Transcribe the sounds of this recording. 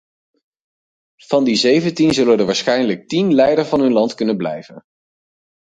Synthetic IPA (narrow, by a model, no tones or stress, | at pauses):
v̥ɑndizejvəntinzɵləndəʋaːɹsχɛjnlək̚tinlɛjdəɹvɑnɦɵnlɑntkɵnənblɛ̰jvə̰n